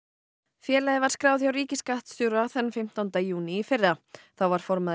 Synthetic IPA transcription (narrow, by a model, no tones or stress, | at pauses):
fjɛːlajðɪvaɾ̥skɾaːwðjawɾiːcɪskaht̪st̪ʏwɾaθɛnːfɪm̥t̪awnt̪ajuːniːfɪraθawvaɾ̥fɔɾmað